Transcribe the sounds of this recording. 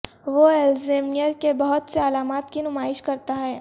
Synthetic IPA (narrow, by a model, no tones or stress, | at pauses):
ʋoeːlzeːmijəɾkebɐɦʊt̪seɐlaːmaːt̪kinʊmaːɪʃkɐɾt̪aɦɛː